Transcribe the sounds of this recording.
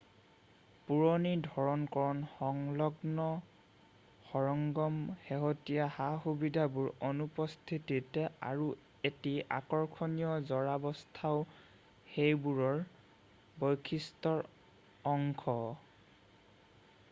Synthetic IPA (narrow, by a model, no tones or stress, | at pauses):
puɹɔnidʱɔɹɔnkɔɹɔnɔŋlɔɡnɔ | xɔɹɔŋɡɔmxeɦɔtijahaxubidʱabuɹɔnupɔst̪ʰititɛa̰ɹu | etiʔa̰kɔɹkʰɔnijɔzɔɹabɔstʰaʊ | xejbuɹɔɹ | bɔjkʰistɔɹ | ɔŋkʰɔ